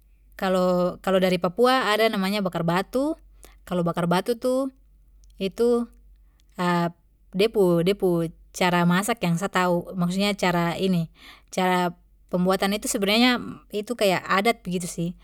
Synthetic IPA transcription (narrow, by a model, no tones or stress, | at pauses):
kalokalodaɾipapuaːdanamaɲabakarbat̪u | kalobakarbat̪ut̪u | it̪u | ə | dɛpudɛput͡ʃaɾamasakjaŋs̬at̪aumaksut̪̚ɲat͡ʃaɾainit͡ʃaɾa | pəmbuat̪anit̪usəbənaɲait̪ukajaʔadat̪̚bəɡit̪usih